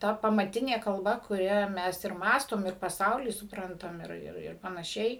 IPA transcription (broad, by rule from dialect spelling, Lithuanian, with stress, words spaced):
ˈtɐ pɐmɐˈtʲɪnʲeː kɐlˠˈbɐ kʊˈrʲɛ ˈmʲɛs ɪr ˈmɑːstoːm ɪr pɐˈsɐʊlʲiː sʊpˈrɐntɐm ɪr ɪr ɪr pɐnɐˈʃʲɛɪ